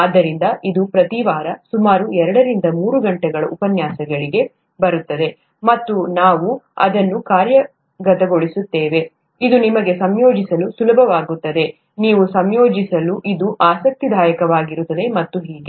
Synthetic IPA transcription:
aːd̪ːɐɾind̪ɐʔid̪upɾɐt̪iʋaːɾɐsumaːɾuɛɾɐɽɐɾind̪ɐmuːɾuɡɐɳʈɛɡɐɭɐʔupɐnjaːsɐɡɐɭiɡe̞ | bɐɾut̪ːɐd̪e̞ | mɐt̪ːunaːʋuɐ̰d̪ɐnːukaːɾjɐ | ɡɐt̪ɐɡo̞ɭisut̪ːeːʋe̞ | id̪unimɐɡe̞sɐmjoːd͡ʒisɐlusulɐbʱɐʋaːɡut̪ːɐd̪e̞ | niːʋusɐmjoːd͡ʒisɐluʔid̪uʔaːsɐk̚t̪id̪ʱaːjɐkɐʋaːɡiɾut̪ːɐd̪e̞mɐt̪ːuɦiːɡe

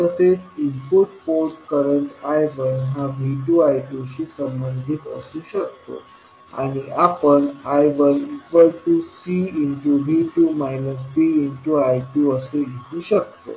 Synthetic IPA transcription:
t̪əset͡simpuʈpoɾʈkəɾəɳʈajʋənɦaʋiʈuajʈuɕiːsəmbənd̪ʱiːt̪ə̰sũːɕək̚t̪o̰ | a̰ɽ̃iʔapəɳajʋəlikʋajʈusiːiɳʈuʋʱiʈumajnəs̬piiɳʈuajʈjuəsejeɦũɕək̚t̪o̰

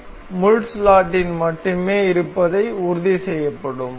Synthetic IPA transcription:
mʊɻʈslaːʈːɪnmɐʈːɯmeːɪɾɯpːɐðɐɪʊɾʊðisɛjːɐpːɐɽɯm

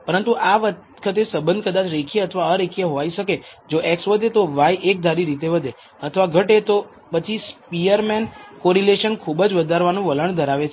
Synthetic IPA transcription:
pəɾənt̪uʔaʋə | kʰət̪̬esəbənd̪ʱkəd̪at͡ʃʰɾekʰijeət̪ʰəʋaəɾekʰijeɦoʋaiʃəke | d͡ʒoʔeksʋəd̪ʱet̪oʋajʔek̚d̪ʱaɾiɾit̪eʋəd̪ʱe | ət̪ʰəʋaɡʱəʈet̪o | pət͡ʃʰispijəɾmenkoɾileʃənkʰubəd͡ʒʋəd̪ʱaɾʋanũʋələɳd̪ʱəɾaʋet͡ʃʰe

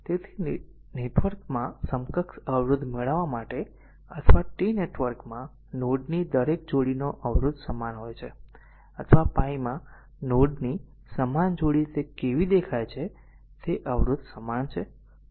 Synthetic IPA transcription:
t̪et̪ʰi | neʈʋəɾkmãsəmkəksəʋɾud̪ʱmeɭəʋamaʈe | ət̪ʰʋaʈineʈʋəɾkmã | noɖnid̪əɾek̚d͡ʒoɽinoʔəʋɾud̪ʱsəmanɦojt͡ʃʰe | ət̪ʰʋapãimã | noɖni | səmand͡ʒoɽit̪ekeʋid̪ekʰajt͡ʃʰe | t̪eʔəʋɾud̪ʱsəmant͡ʃʰe

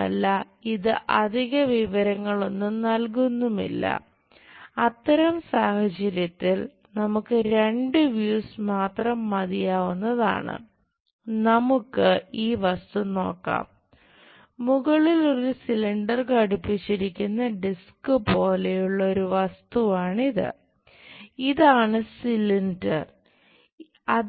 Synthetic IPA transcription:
ɐ̰lːɐ | iðɨʔɐd̪ʱiɣɐʋiʋɐɾɐŋːɐɭo̞nːumnɐlk̬unːumḭlːɐ̰ | ɐt̪ːɐɾɐmsaːhɐt͡ɕɐɾjɐt̪ːil | nɐmukːɨɾe̞ɳɖɨʋjuːsmaːt̪rɐmːɐðijaːʋunːɐða̰ːɳɨ̰ | nɐmukːɨiːʋɐst̪uno̞ːkːa̰ːmː | uɣɐɭilo̞ɾusiliɳɖɐrkɐɽupːit͡ɕːiɾikʲːunːɐɖiskɨpo̞ːlejuɭːɐo̞ɾuʋɐst̪uʋaːɳiðɨ̰ | iðaːɳɨsiliɳɖɐ̰r | ɐ

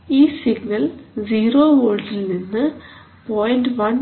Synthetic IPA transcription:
iːsiɡnɐld͡ʑiːɾoːʋoːɖilninːɨ | poːjnɖʋɐn

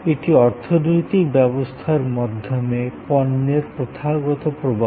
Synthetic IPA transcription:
eʈiɔɾt̪ʰɔnojt̪ikbɛbost̪ʰaɾmɔd̪ʱjɔmepɔnːeɾpɾot̪ʰaɡɔt̪ɔpɾobʱa

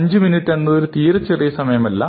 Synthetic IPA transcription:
ɲd͡ʑɨminiʈːenːɐoɾut̪iːɾɐt͡ɕːerijɐsɐmɐjɐmɐlːɐ

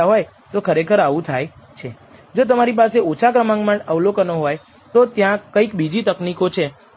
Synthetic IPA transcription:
aɦoj | t̪okʰəɾekʰəɾaʋũt̪ʰajt͡ʃʰe | d͡ʒot̪̬əmaɾip̬aseot͡ʃʰakɾəmãŋɡmãəʋlokənoɦoj | t̪ot̪jãkəikbid͡ʒit̪əknikot͡ʃʰe

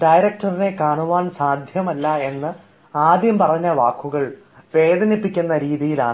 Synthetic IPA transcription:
ɖɐjɾɐk̚ʈɐrine̞kaːɳuʋaːɳsaːd̪ʱjɐmɐlːɐe̞nːɨ | aːd̪ʱjɐmpɐrɐɲːɐʋaːkːuɣɐɭ | ʋe̞ːd̪ɐnipːikʲːunːɐɾiːðijilaːɳɨ

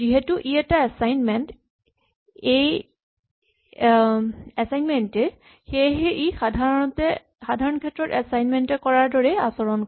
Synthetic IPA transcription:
ziɦetuʔiɛtaɛsajnmɛnt | ej | ɛsajnmɛntɛ | xeɦɛʔixdʱatɛ | xadʱaɹɔnkʰɛtːɹɔtɛsajnmɛntɛkɔɹaɹdɔɹɛa̰sɔɹɔn

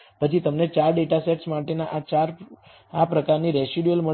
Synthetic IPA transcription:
pət͡ʃʰit̪əmnet͡ʃaɾɖeʈaseʈsmaʈenaʔat͡ʃaɾ | apɾəkaɾniɾɛsiɖjəlmə

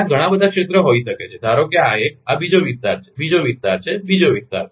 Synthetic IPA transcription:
aɡʱəɽ̃abəd̪ʱakʂet̪ɾəɦoiʃəket͡ɕʰed̪ʱaɾoɡjaːɦeabid͡ʑoʋist̪aɾt͡ɕʰe̥bid͡ʑoʋist̪aɾt͡ɕʰebid͡ʑoʋist̪a̰ɾe

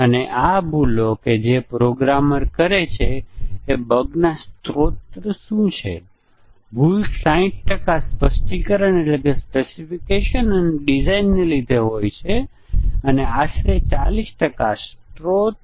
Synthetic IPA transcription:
əneʔabuloked͡ʒepɾoɡɾaməɾkəɾet͡ʃʰeː | bəɡnast̪ɾot̪ɾəʃũt͡ʃʰḛ | bʱulsãĩʈ̚ʈəkaspəsʈikəɾəñeləɡəspesifikeʃənəneɖid͡ʒainːelid̪ʱeɦojt͡ʃʰe | əneaʃɾet͡ʃa̰lisʈəkasʈɾot̪

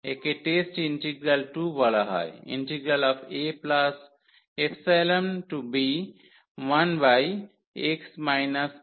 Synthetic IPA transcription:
ekeʈesʈinʈiɡɾɐlʈubʱɔlaɦa̰jḭ̃nʈiɡɾəlɔpʰeplas | efʰseləmʈubi | ʋanbaj | eksmajnɐs

